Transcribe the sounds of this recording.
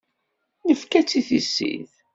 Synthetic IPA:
nəfkæt͡sːiθisːḭð

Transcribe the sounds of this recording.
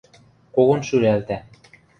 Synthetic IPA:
koɣonʃyɾælt̪æ

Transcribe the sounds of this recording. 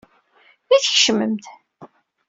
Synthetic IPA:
iθəçʃəməmt̪

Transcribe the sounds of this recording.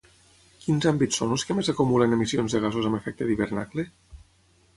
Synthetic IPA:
kinzambit͡sːonelˠskəmezakumulənemisionzðəɣ̞azuzamefɛk̚t̪əðiβeɾnakle

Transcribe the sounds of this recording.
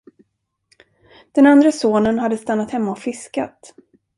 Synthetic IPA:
d̪̥ɛnand̪ɾəsoːnənɦad̪ːəst̪anːat̪hɛmːaɔfɪska̰t̪

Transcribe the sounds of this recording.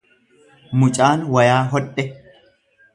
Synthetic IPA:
mʊt͡ʃʼaːnwɐjaːɦɔɗʼːɛ

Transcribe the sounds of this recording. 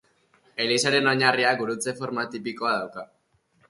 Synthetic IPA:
e̞lisaɾe̞noɲariaɡuɾut͡se̞fo̞ɾmat̪ipiko̞aðawka

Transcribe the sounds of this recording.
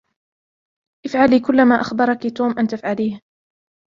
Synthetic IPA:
ʔɪfʕaliːkʊlːamaːʔaxbɑɾˤɑkit̪uːmʔant̪afʕaliːh

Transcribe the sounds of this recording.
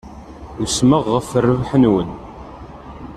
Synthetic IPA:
usməʁːəfərːəvħənwən

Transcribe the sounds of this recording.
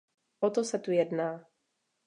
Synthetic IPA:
ʔot̪osɛt̪ujɛdnaː

